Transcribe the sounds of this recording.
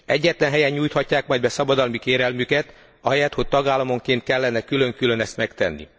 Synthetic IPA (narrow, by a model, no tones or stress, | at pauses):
ɛɟːɛt̪lɛnɦɛjɛɲːuːjt̪hɒcːaːkmɒjd̪bɛsɒbɒd̪ɒlmikeːɾɛlmykɛt̪ | ɒɦɛjɛt̪ho̞c̚t̪ɒɡaːlːɒmo̞ŋkeːnt̪̚kɛlːɛnɛkylø̞ŋkylønɛst̪mɛkt̪ɛnːḭ